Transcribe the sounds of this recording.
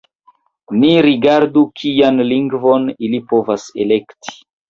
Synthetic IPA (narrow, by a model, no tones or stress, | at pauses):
niɾiɡaɾdukʰianliŋɡvonilipovasḛlekti̥